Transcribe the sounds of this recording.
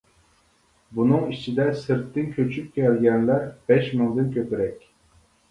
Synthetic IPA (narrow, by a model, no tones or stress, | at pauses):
bunɨŋit͡ʃʰid̪ɛsɨɾt̪ːɪnkʲʰøt͡ʃʰyp̚kʲʰɛlɡʲɛnlæɾbɛʃmɨŋd̪ɨnkʲʰøpɪɾɛkʲ